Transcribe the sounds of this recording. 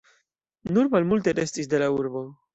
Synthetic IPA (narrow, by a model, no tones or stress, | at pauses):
nuɾmalmulteɾe̞stisde̞lauɾbo̞